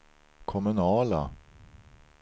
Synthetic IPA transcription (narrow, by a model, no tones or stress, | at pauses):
kʰɔmʉnɑːla̰